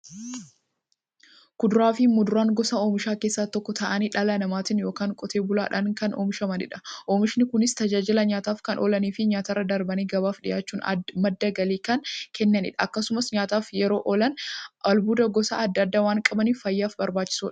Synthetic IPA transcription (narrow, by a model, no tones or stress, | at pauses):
kʊd̪ʊɾaːfɪmʊd̪ʊɾaːŋɡɔsɐoːmɪʃaːkeːsːaːt̪ɔkːɔt̪ɐʔɐniᶑɐlɐnɐmaːt̪ɪnjo̞ːkaːŋkʼɔt̪ʰeːbʊla̰ːᶑɐŋkɐnʔoːmɪʃɐmɐnɪ̰ᶑɐ̥ʔoːmɪʃɪnɪkʊnɪst̪ɐd͡ʒaːd͡ʒɪlɐɲaːt̪aːfkɐnʔɔlɐniːfɪɲaːt̪ɐrːɐd̪ɐɾbɐniːɡɐbaːfᶑɪjaːt͡ʃːuːnɐ̰mɐd̪ːɐɡɐliːkɐnkɛnːɐnɪ̰ᶑɐːkːɐsʊmɐsɲaːt̪aːfjɛɾo̞ːʔɔlɐnʔɐlbuːd̪ɐɡɔsa̰ɐd̪ːɐɐd̪ːaːwaːŋkʼɐbɐniːfːɐjːaːfbɐɾbaːt͡ʃːɪ̥suːᶑɐ̥